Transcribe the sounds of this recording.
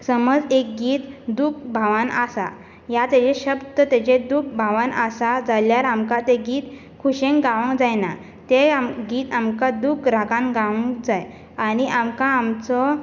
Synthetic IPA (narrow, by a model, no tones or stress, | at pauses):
səməd͡zek̚ɡiːt̪d̪uk̚bʱaʋanasa̰ | jat̪at͡ɕẽɕəbt̪ət̪at͡ɕẽd̪uk̚ʰbʱaʋanasad͡zaljaɾamkat̪eɡiːt̪ | kʰuɕẽŋkɡaʋəŋɡd͡zajna | t̪eamɡiːt̪amkad̪ukɾakãŋɡaʋə̃ŋɡd͡zaj | aniʔamkaːmt͡sɔ